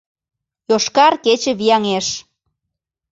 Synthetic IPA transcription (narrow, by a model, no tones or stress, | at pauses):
joʃkɑrket͡ɕə̆βijɑŋeʃ